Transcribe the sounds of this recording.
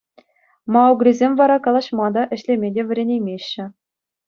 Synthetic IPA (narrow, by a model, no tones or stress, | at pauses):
mɑuɡrʲizʲemʲvɑɾɑkɑlˠɑɕmɑd̪ɑʔɘ̆ɕlʲemʲedʲeʋʲɘ̆ɾʲenʲejmʲeɕːɘ̆